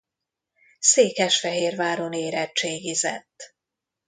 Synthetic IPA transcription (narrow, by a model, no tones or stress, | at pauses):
seːkɛʃfɛɦeːrvaːɾoneːɾɛt͡ʃeːɡizɛ̰t̪ː